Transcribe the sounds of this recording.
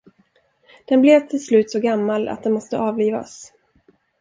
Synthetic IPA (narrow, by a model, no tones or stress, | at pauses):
d̪̥ɛnbleːvt̪ʰɪlslʉ̟ːt̪sɔɡamːala̰t̪̚d̪ɛnmɔst̪əʔɑːvliːva̰s